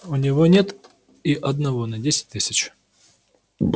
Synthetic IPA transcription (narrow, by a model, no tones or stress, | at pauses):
ʊnʲɪvonʲe̞t̪ | iʔɐd̪nɐvo̞nɐdʲesʲɪ̥t̚ʲt̪ɨsʲɪt͡ɕ